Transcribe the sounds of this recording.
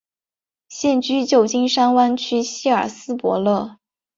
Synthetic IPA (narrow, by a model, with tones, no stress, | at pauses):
ɕjɛ˥˧nt͡ɕy˥t͡ɕjo˥˩ʊt͡ɕi˥nʂa˥nwa˥nt͡ɕʰy˥ɕi˥ə˞˨˩sɹ̩˥pwɔ̰˧˥lɤ˥˩